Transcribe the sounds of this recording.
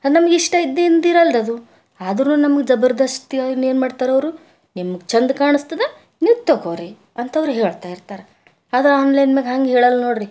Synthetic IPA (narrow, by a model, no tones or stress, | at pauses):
ɐnɐmɐɡiʂʈɐid̪ːend̪iɾɐld̪ɐd̪u | aːd̪ɐɾnuːnɐmɐɡed͡ʒɐbɐɾd̪ɐst̪ianeːnmaːɖt̪aːɾɐʋɐɾu | nimːɐɡt͡ʃɐnd̪kaːɳust̪ɐd̪e | niʋt̪ːokoɾi | ɐnt̪ɐɐʋɾuɦeːɭt̪aːjiɾt̪aːɾe | aːd̪ɐɾaːnlɐjnmeɡɦaːŋɡeɦeːɭɐlɐno̞ːɽɾi